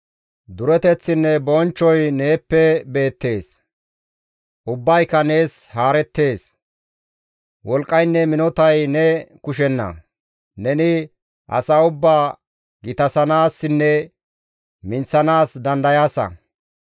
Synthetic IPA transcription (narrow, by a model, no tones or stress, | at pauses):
d̪ʊɾɛt̪ɛt͡sːɪnːɛbɔnt͡ʃːɔjne̞ːpːɛbe̞ːt̪ːe̞ːs | ʔʊbːɐjkːɐne̞ːshaːɾɛt̪ːe̞ːs | wɔlkʼːɐjnːɛmɪnɔt̪ɐjnɛkʊʃɛnːɐ̰ | nɛnɪ | ʔɐ̰sɐʊbːaː | ɡɪt̪ɐsɐnaːsːɪnːɛ | mɪnt͡sːɐnaːsd̪ɐnd̪ɐjaːsɐ̰